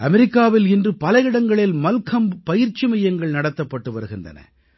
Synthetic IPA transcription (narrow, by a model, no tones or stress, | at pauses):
ʔɐmɛɾɪkːaːʋɪlɪndrɯpɐlɐjɪɽɐŋɡɐɭɪlmɐlkʰɐmpɐjɪɾt͡ʃimɐjɐŋɡɐɭnɐɽɐt̪ːɐpːɐʈːɯʋɐɾɯɣɪndrɐ̰nɐ̰